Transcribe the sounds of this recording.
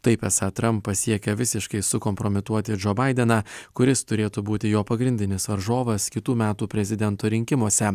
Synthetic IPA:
t̪ɐɪpɛsɐt̪ɾɐmpːɐsʲiɛkʲɛʋʲɪsʲɪʃkɐɪsʊkɔmpɾɔmʲɪt̪uɔt̪ʲɪd͡ʒoːbɐɪd̪ʲɛnɑːkʊɾʲɪst̪ʊɾʲeːt̪uːbuːt̪ʲɪjoːpɐɡɾʲɪnʲd̪ʲɪnʲɪsʋɐɾʒoːʋɐskʲɪt̪uːmʲæːt̪uːpʲɾʲɛzʲɪd̪ʲɛnt̪oːɾʲɪŋʲkʲɪmoɔsʲɛ

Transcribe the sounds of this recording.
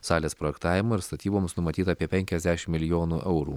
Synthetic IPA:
sɑːlʲeːspɾojɛkt̪ɑːʋʲɪmɐɪɾst̪ɐt̪ʲiːboːmsnʊmɐt̪ʲiːt̪ɐpʲiɛpʲɛŋʲkʲɛzʲd̪ʲæʃʲɪmmːʲɪlʲɪjoːnuːʔɛʊɾuː

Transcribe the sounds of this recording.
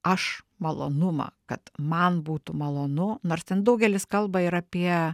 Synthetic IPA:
ɐʃ | mɐlˠo̰ːnʊmɐ̰kɐt̪mɐnbuːt̪ʊmɐlˠoːnʊnoːrst̪ʲɛnd̪ɐʊɡʲɛlʲɪskɐlˠbɐɪɾɐpʲiɛ

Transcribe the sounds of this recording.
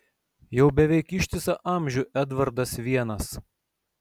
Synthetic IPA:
jɛʊbʲɛʋʲɛɪkɪʃʲt̪ʲɪsɐʔɑˑmʲʒʲʊʔɛd̪ʋɐɾd̪ɐsʋʲiɛnɐs

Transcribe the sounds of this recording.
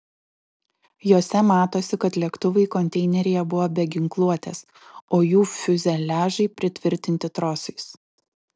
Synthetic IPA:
joːsʲɛmɑːt̪oːsʲɪkɐt̪lʲiɛkt̪ʊʋɐɪkɔnʲt̪ʲɛɪnʲɛɾʲɪjɛbʊʋoːbʲɛɡʲɪŋklˠuɔt̪ʲeːs | oːjuːfʲʊzʲɛlʲæːʒɐɪpʲɾʲɪt̪ʲʋʲɪɾʲt̪ʲɪnʲt̪ʲɪt̪ɾoːsɐɪs

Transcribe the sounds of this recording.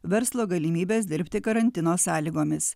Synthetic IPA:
ʋʲɛɾslˠoːɡɐlʲimʲiːbʲeːsd̪ʲɪɾʲpʲt̪ʲɪkɐɾɐnʲt̪ʲɪnoːsɑːlʲiːɡoːmʲɪs

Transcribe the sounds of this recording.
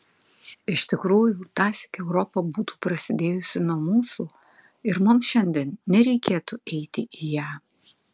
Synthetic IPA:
ɪʃʲt̪ʲɪkɾuːjuːt̪ɑːsʲɪ̥kʲɛʊɾɔpɐbuːt̪u̥ːpɾɐsʲɪd̪ʲeːjʊsʲɪnuɔmuːsuː | ɪɾmʊmsʃʲɛnʲd̪ʲɛːnnʲɛɾʲɛɪkʲeːt̪uɛɪt̪ʲɪʔijæː

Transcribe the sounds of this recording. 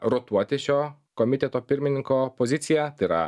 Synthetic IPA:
ɾɔt̪uɔt̪ʲɪʃʲo | kɔmʲɪt̪ʲɛt̪oːpʲɪɾʲmʲɪnʲɪŋkɔpɔzʲɪt̪sʲɪjɛt̪ɐɪɾɐ̰

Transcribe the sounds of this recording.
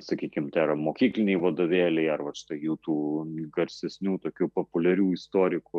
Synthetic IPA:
sɐkʲiːkʲɪmt̪ʲɛːɾɐmoːkʲiːklʲɪnʲɛɪʋɐd̪oːʋʲeːlʲɛɪɐrʋɐʃʲɪ̥t̪ɐɪjuːt̪uːɡɐɾʲsʲɛsʲnʲuːt̪oːkʲuːpopʊlʲɛɾʲuːɪst̪oːɾʲɪku

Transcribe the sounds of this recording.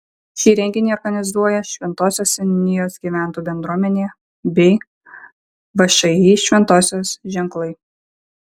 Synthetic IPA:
ʃʲiːɾʲɛŋʲɡʲɪnʲɛɪɔɾɡɐnʲɪzuɔjɛʃʲʋʲɛnt̪oːsʲoːsʲɛnʲɪjoːsɡʲiːʋʲæˑnˑt̪uːbʲɛnd̪ɾuɔmʲɛnʲeː | bʲɛɪ | ʋɐʃʲɐjiːʃʲʋʲɛnt̪oːsʲoːsʒʲɛŋklˠɐɪ

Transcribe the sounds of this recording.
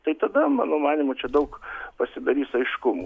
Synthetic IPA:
t̪ɐɪt̪ɐd̪ɐmɑ̰ːnoːmɑːnʲimʊt͡ʃʲɛd̪ɐʊkpɐsʲɪd̪ɐɾʲiːsɐɪʃkʊmṵ

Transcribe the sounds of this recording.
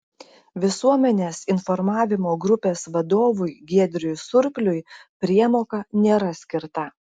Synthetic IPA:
ʋʲɪsuɔmʲɛnʲeːsɪnfɔɾmɑːʋʲɪmoːɡɾʊpʲeːsʋɐd̪oːʋʊjɡʲiɛd̪ʲɾʲʊjsʊɾʲpʲlʲʊɪpʲɾʲiɛmoːkɐnʲeːɾɐsʲkʲɪɾt̪ɐ

